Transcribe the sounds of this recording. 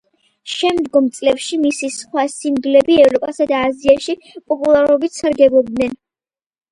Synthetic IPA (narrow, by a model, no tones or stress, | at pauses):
ʃɛmd̪ɡɔmt̪sʼlɛpʃimisisχwasiŋɡlɛbiɛvɾɔpʼasad̪aːziaʃi | pʼɔpʼulˠaɾɔbit̪saɾɡɛbɔb̚d̪nɛn